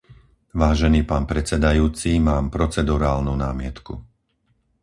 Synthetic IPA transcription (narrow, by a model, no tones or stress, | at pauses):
ʋaːʒɛniːpaːnpɾɛt͡sɛd̪ajuːt͡simaːmpɾɔt͡sɛd̪uɾaːlnunaːmɪɛt̪kṵ